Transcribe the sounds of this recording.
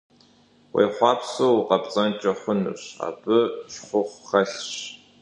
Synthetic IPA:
wʔḛjχʷɑːpʰsowqɐpt͡sʼɐnt͡ʃʼɐχʷʊnɨ̰ɕa̰ːbɨɕχʷʊχʷχɐɬɕ

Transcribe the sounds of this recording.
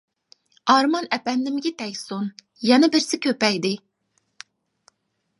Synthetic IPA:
ɑɾmɑnɛpɛnd̪ɪmɪɡʲit̪ʰɛjʲson | jɛnɛbɪɾsɪkʲʰøpɛjd̪ɪ

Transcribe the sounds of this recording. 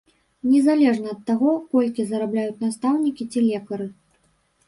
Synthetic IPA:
nʲɛzalʲɛʐnɐːt̪ːaɣɔkɔlʲkʲizɐɾablʲajut͡sʲnast̪awnʲikʲit͡sʲilʲɛkɐɾɨ

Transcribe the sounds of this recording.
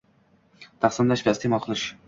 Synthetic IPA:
t̪ʰaχsɪmlaʃvast̪ʰemɒlˠqʰɨlɪʃ

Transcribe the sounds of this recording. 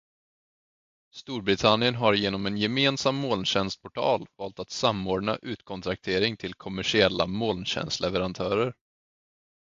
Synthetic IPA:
st̪uːɾbɾɪt̪ʰanɪənɦaɾjeːnɔmɛnjɛmeːnsamːoːlnɕɛnst̪̚pʰɔʈʰɑ̰ːlvɑːlt̪at̪samːoːɖɳa̰ʔʉ̟ːt̪kʰɔnt̪ʰɾak̚t̪ʰeːɾɪŋt̪ʰɪlkʰɔmæʂɪɛlːa̰moːlnɕɛ̰nst̪lɛvəɾant̪ʰœːɾəɾ

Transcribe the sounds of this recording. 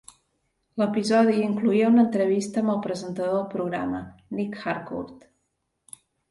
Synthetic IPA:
ləpizɔðiiŋkluiəunənt̪ɾəβist̪əːmbəlˠpɾəzənt̪əðoðəlˠpɾuɣɾa̰mənikxaɾkṵɾt̪

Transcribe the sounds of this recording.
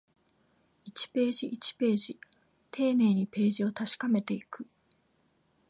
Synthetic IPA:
it͡ɕi̥pe̞ːʑiʔit͡ɕi̥pe̞ːʑi | t̪ʰe̞ːne̞ːɲ̟ipe̞ːʑio̞t̪aɕi̥kame̞t̪e̞ikɯ̟

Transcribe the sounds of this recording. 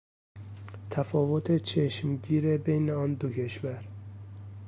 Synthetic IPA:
t̪ʰæfɒːvot̪ʰet͡ʃʰeʃmɟiːɾebe̞jneɒːnd̪okʰeʃvæɾ

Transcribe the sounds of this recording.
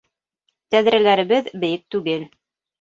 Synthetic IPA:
t̪æðɾælæɾɘ̆βɘðbɘ̆jɘk̚t̪ʉɡɘl

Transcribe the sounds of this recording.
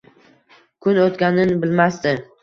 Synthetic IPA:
kʰʊnot̪ɡʲanɪnbɪlmast̪ɪ

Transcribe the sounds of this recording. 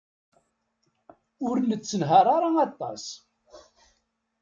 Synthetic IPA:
ʊɾnət͡sːənɦaɾˤaɾˤaɑt̪ˤːɑ̰s

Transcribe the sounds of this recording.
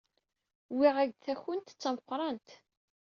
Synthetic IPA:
wiʁæɡθæçənt̪t͡sːɑmqʷɾˤɑnt̪

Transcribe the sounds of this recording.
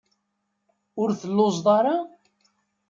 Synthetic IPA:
ʊɾθəlːʊzðˤɑɾˤɑ

